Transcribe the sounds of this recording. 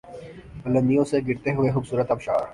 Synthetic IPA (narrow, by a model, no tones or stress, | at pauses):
pɐlə̃nd̪ijõseɡɪɾt̪eɦʊexʊːbsuːɾət̪ɐbʃa̰ːɾ